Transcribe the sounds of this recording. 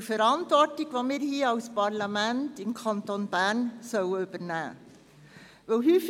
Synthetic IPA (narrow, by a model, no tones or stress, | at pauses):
fəɾɑntvɔɹtɪɡ̥ʋɑmiːɾhiːəɑʊspɑɾlɑmæntɪmkʰɑntonb̥ænsœwəyb̥ənæ̰ː | ʋɛlhyːf